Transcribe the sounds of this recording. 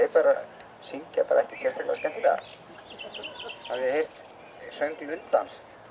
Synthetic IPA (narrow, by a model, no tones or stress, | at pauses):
ɛpaːɾa | siŋcapa̰ːɾaɛhcɪt̪ʰjɛrst̪akla̰scɛnt̪ɪt̪a̰ | havjɛhejr̥t̪ | sœɥŋklʏnt̪ans